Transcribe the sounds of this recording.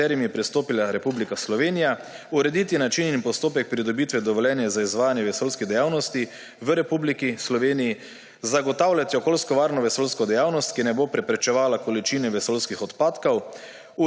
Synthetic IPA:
ɛːɾimiɛpɾist̪oːpilaɾɛpublikaslɔʋeːnija | uɾɛd̪iːt̪inat͡ʃininpɔst̪oːpɛk̚pɾid̪ɔbit̪ʋɛd̪ɔʋɔljɛːnjɛzaizʋaːjanjɛʋɛsolskid̪ɛjaːwnɔst̪i | ʋəɾɛpublikislɔʋeːniji | zaɡɔt̪aːwlʲat̪iɔkoːlskɔʋaːɾnɔʋɛsolskɔd̪ɛjaːwnɔst̪̚kinɛboːpɾɛpɾɛt͡ʃɛʋaːlakɔlit͡ʃiːnɛʋɛsolskixɔt̪paːt̪kɔw | u

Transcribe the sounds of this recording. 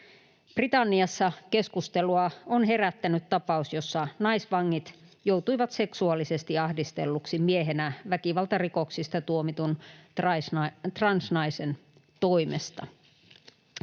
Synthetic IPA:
b̥rit̪ɑnːiɑsːɑke̞skust̪eluɑonɦe̞ɾæt̪ːænyt̪t̪ɑpɑusjosːɑnɑisʋɑŋːit̪jowt̪uiʋɑt̪se̞ksuɑlise̞st̪iɑhdist̪e̞lːuksimieɦenæʋækiʋɑlt̪ɑriko̞ksist̪ɑt̪uomit̪unsɑt̪rɑnsnɑise̞n | t̪oimest̪ɑ̰

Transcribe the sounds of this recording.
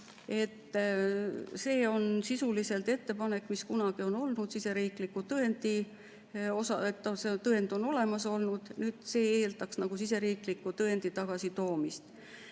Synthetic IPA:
e̞t̪ː | se̞ːo̞nsisulise̞lt̪e̞t̪ːe̞pɑne̞kːˑmiskunɑɡ̥io̞no̞lnud̪̥sise̞ɾiːklikːˑut̪ɤe̞nd̪̥i | o̞sɑet̪ːoset̪ɤe̞nd̪̥o̞no̞le̞mɑso̞lnud̪̥nyːd̪̥se̞ːeːld̪ɑksnɑɡ̥usise̞ɾiːklikːut̪ɤend̪̥it̪ɑɡ̥ɑsit̪o̞ːmist̪

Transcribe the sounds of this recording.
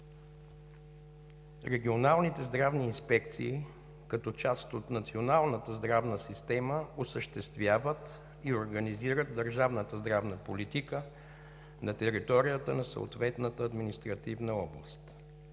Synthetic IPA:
ɾɛɡʲionalˠnit̪ɛzd̪ɾavniːnspɛkt̪sḭː | kɐt̪ɔt͡ʃast̪ot̪nɐt̪sionalˠnət̪əzd̪ɾavnəsist̪ɛməosəʃt̪ɛst̪vʲjavət̪ | ioɾɡəniziɾət̪̚d̪əɾʒavnət̪əzd̪ɾavnəpolit̪ikə | nɐt̪ɛɾit̪ɔɾijət̪ənɐsə̰o̰t̪vɛt̪nət̪əːd̪minist̪ɾɐt̪ivnəɔblˠəst̪

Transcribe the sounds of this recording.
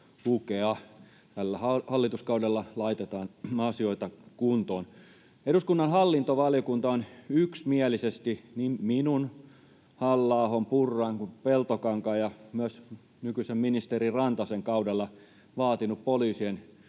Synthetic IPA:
hukeɑ | t̪ælːæhɑhɑlːit̪uskɑudɑlːɑlɑit̪et̪ɑːnɑsioit̪ɑkunt̪oːn | eduskunːɑnhɑlːint̪oʋɑljokunt̪ɑonyksmiælisest̪inimminun | hɑlːɑˑːhompurːɑiŋkupelt̪okɑŋkɑːjɑmyøs | nykyisemminist̪erirɑnt̪ɑseŋkɑudɑlːɑ | ʋɑːt̪inuppolyːsien

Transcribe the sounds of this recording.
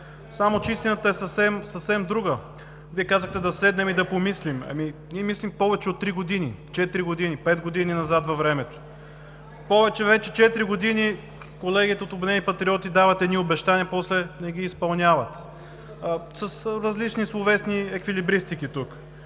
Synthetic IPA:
samot͡ʃɛist̪ʲinət̪əɛsɐfsɛmsɐfsɛmd̪ɾuɡə | viɛkazəxt̪ɛd̪ɐsɛd̪nɛmid̪ɐpomislimɐ̰miniɛmislimpɔvɛt͡ʃɛot̪ːɾiɡod̪init͡ʃɛt̪iɾiɡod̪inipɛd̪ɡod̪ininɐzat̪vɐvɾɛmɛt̪o̥ | pɔvɛt͡ʃɛvɛt͡ʃɛt͡ʃɛt̪iɾiɡod̪ini | kolɛɡʲit̪ɛot̪obd̪ɛnipɐt̪ɾiɔt̪id̪avɐt̪ɛd̪niobɛʃt̪aniɐpɔslɛnɛɡʲiːspɐlˠnʲavɐt̪ | səsɾɐzlit͡ʃnislˠovɛsniɛkvilibɾist̪ikit̪uk

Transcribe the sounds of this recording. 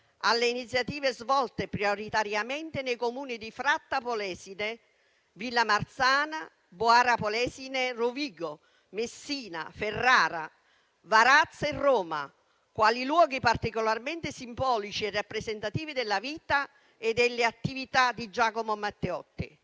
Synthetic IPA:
a̰lːeinit̪sjat̪iːvezvɔlt̪epɾioɾit̪aɾjament̪ɪnejkomuːnid̪ifɾat̪ːapolɛːsine | vilːamart̪saːna | boaɾapolɛːsineroviːɡo | mesːiːna̰ferːaːɾa̰ | vaɾat̪sːerːɔːma̰ | kwaːlilwɔːɡipart̪ikolarment̪ɪsimbɔːlit͡ʃierːapːɾezent̪at̪iːvid̪elːaviːt̪a | ed̪ːelːeat̪ːivit̪ad̪id͡ʒaːkomomat̪ːeɔt̪ːḭ

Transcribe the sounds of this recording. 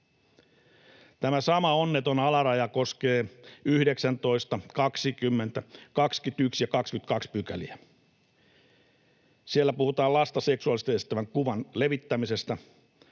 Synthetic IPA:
t̪æmæsɑmɑonːet̪onɑlɑrɑjɑko̞ske̞ːyhdeksænt̪o̞ist̪ɑkɑksikymːent̪ækɑkskyt̪yksjɑkɑkskyt̪kɑkspykæliæ | sielːæpuhut̪ɑːlɑst̪ɑseksuɑlist̪eest̪æʋæŋkuʋɑnleʋit̪ːæmise̞st̪æ

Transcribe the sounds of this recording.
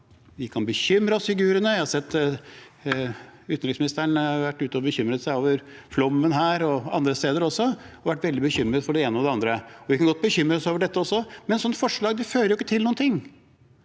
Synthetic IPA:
ʋɪkʰɑnbəçʏmɾəɔsfɪɡʉːɾənəjæhɑsɛt̪ː | ʉːt̪n̩ɾɪksmɪnɪst̪əɳhɑɾʋæʈːʉːt̪əɔbəçʏmɾət̪sæɪoːʋəɾflɔmːənɦæːɾɔɑ̰nd̪ɾəst̪eːd̪əɾɔsːɔɔʋæʈːʋɛld̪ɪbəçʏmːɾəd̪fɔɖɛeːnəɑd̪ɛɑnd̪ɾəɔʋɪkɑnɡɔt̪̚ːbəçʏmːɾəsəoːʋəɖɛt̪ːəɔsːɔmɛnsɔnːfɔʂɭɑːɡd̪ɛføːɾəɾjʊɪkːət̪ʰɪluːnt̪ʰɪŋː

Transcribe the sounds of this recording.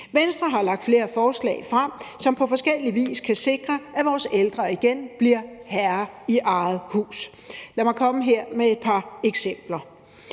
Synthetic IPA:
ʋensd̥ʁɐɦɑ̈lɑ̈ɡ̥d̥fle̝ːɐfɒːslɛ̰ɪfʁam̰sɒ̽mpʰɒ̽fɒ̽sɡ̥el̰iʋḭːskʰæse̝ɡ̥ʁɐæʋɒːseld̥ʁɐiɡ̥enb̥liɐ̰hæɐiʔɑ̈ːð̩ˠhṵːs | læmɑ̈ɪkʰɒ̽məɦe̝ɐ̰mee̝d̥pʰɑ̈eɡ̥sem̰b̥lɐ

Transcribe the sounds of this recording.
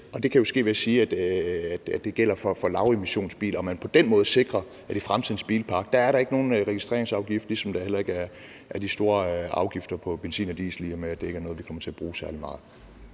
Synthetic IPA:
ɒ̽d̥e̝kʰæjosɡ̥e̝̰ːʋæsiːæd̥æd̥æd̥ːe̝ɡ̥el̰ɐfɒ̽fɒ̽lɑ̈ʊe̝miɕo̝̰ːnsb̥ḭːlɒ̽mænpʰɒ̽d̥enmɔ̽ːð̞̩ˠse̝ɡ̥ʁɐ | æɾ̥ifʁamt͡sʰið̰ˠn̩sb̥ḭːlpʰɑ̈ɡ̥̚d̥ɑ̈æɐɾɑ̈e̝ɡ̥no̝ːn̩ʁɛɡ̥isd̥ʁḛɐeŋsɑ̈ʊɡ̥ifd̥lisɒ̽md̥ɑ̈hel̰ɐe̝ɡ̥æɐ | ʔæɐd̥isd̥o̝ːɐɑ̈ʊɡ̥ifd̥ɐpʰɒ̽b̥ensḭːnɐd̥ḭːsliɐmeæd̥ee̝ɡ̥æɐnɔð̩ˠʋikʰɒ̽mɐt͡sʰe̝æb̥ʁuːsæɐlimɑ̈ːð̩ˠ

